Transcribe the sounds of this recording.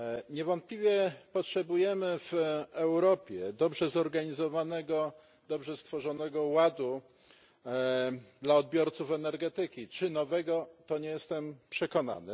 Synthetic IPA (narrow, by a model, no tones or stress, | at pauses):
ɲɛvɔnt̪̚plʲivʲjɛpɔtʂɛbujɛmɘvɛwɾɔpʲjɛd̪ɔbʐɛzɔɾɡaɲizɔvanɛɡɔ | d̪ɔbʐɛst̪fɔʐɔnɛɡɔwad̪u | d̪laɔd̪̚bʲjɔɾt̪sufɛnɛɾɡɛt̪ɘkʲit͡ʂɘnɔvɛɡɔt̪ɔɲɛjɛst̪ɛmpʂɛkɔna̰nɘ